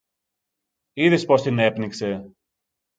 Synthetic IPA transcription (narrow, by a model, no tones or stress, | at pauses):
iðispo̞st̪ine̞pnikse̞